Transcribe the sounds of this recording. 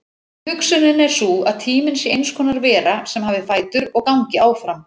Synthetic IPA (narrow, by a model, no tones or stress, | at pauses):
hʏksʏnɪnɛɾ̥sua̰ðt̪ʰiːmɪnsɪejnskʰɔːnaɾvɛːɾasɛmhaːvðɪfaːjt̪ʏɾɔɣkawɲcɪaːwfɾam